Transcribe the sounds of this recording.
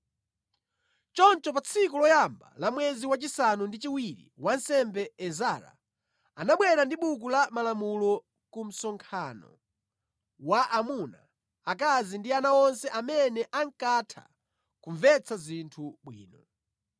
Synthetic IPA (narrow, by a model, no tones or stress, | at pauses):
t͡ʃɔnt͡ʃɔpat͡sʰikulɔjamba̰lamwɛziwat͡ʃisanundit͡ʃiwiɾḭwansɛmbɛɛzaɾa̰ | anaɓwɛɾandiɓuk̬ulamalamulɔ | kum̩sɔŋkʰanɔ̰ | waʔamuna | akazindianaɔnsɛʔamɛnɛʔaŋkatʰa̰ | kuɱvɛt͡sʰazintʰuɓwḭːnɔ